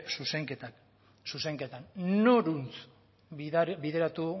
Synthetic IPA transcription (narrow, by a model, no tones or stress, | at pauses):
suse̞ŋket̪a | suse̞ŋket̪annoɾunt͡s | biðe̞ɾat̪u